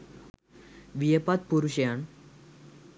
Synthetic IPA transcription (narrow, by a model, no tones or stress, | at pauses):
ʋijepat̪̚puɾuɕjaɳ